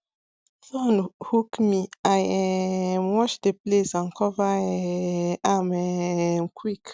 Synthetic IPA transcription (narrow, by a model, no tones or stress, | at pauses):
fɔ̃nhukmiajɛmwɔt͡ʃdeplesãnkʰɔva | amɛmkʰwik